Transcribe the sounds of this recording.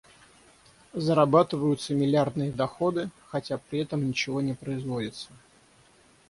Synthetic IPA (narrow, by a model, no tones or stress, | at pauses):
zəɾɐbat̪ɨvəjʊt̪səmʲɪlʲɪard̪nɨjəd̪ɐxo̞d̪ɨxɐtʲapɾʲɪɛt̪əmnʲɪt͡ɕɪvo̞nʲɪpɾəɪzvodʲɪt̪sə